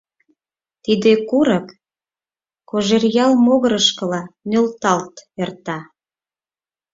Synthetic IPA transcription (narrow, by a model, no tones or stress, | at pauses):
t̪id̪ekuɾək | koʒerjɑlmoɣəɾəʃkə̆lɑnølt̪ɑlt̪ert̪ɑ